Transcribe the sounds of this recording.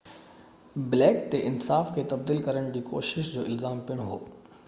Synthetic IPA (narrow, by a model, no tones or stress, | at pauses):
bɪlɛːkt̪eʔɪnsaːfkʰeːt̪ɐbd̪iːlkɐɾəɽ̃d͡ʑiːko̰ːʃɪʃd͡ʑoːɪlzaːmpijəɽ̃ɦo̰ː